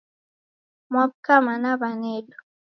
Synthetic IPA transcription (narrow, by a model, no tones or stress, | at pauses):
mɔb̚kamanabanɛdo